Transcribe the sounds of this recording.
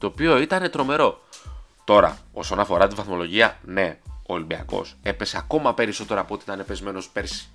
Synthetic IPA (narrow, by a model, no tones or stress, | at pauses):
t̪o̞ːpio̞it̪ɐne̞t̪ɾo̞me̞ɾo̞t̪o̞ɾɐ̰o̞so̞nɐfo̞ɾɐt̪ivɐθmo̞lo̞ʝiɐne̞oːlimbiɐ̰ko̞̰se̞pe̞seɐko̞mɐpe̞ɾiso̞t̪e̞ɾɐːpoot̪iit̪ɐnepe̞zme̞no̞spe̞ɾsi̥